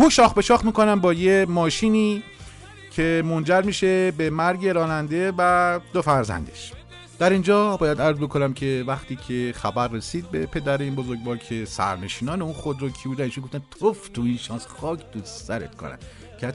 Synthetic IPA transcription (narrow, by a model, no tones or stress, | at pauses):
huʃɒːxbe̞ʃɒːxmiːkonæmbɒːje̞mɒːʃiːniː | cʰe̞mond͡ʒæɾmiːʃe̞bemæɾɟe̞ɾɒːnænd̪e̞væd̪ofæɾzæ̰nd̪eʃ | d̪̥æɾind͡ʒɒːbɒːjæd̪æɾzbo̞kʰonæmcʰe̞væxt̪iːcʰe̞xæbæɾːesiːd̪̚be̞pʰe̞d̪æɾeiːnbozoɾɡvɒːɾcʰe̞sæ̰ɾne̞ʃiːnɒːneũnxod̪ɾocʰibuːd̪æniːʃunɡoft̪ænt̪ʰoft̪uinʃɒːnsxɒːcʰd̪uːssæɾḛt̪kʰo̰næ̰d̪ | kʰeæt̪